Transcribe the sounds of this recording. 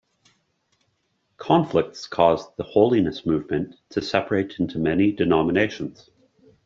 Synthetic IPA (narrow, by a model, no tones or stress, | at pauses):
kʰɑ̃ɱflɪk̚tskʰɔzðəhoʊlˠinəsmʉːvmə̃ntʰəsɛpʰə˞eɪtɪ̃ntʰumɛnidɨnɑməneɪʃə̃nz̥